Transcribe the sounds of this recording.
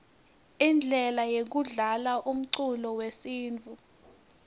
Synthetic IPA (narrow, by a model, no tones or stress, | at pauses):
ind͡ɮʱɛlajek̬uɮalaʔum̩ǀulɔwesiːnt͡fu